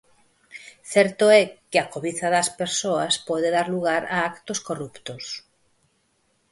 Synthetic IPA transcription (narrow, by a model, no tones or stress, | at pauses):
θɛɾt̪oɛkeakoβiθaðaspeɾsoaspɔðeðaɾluɣaɾaakt̪oskorupt̪os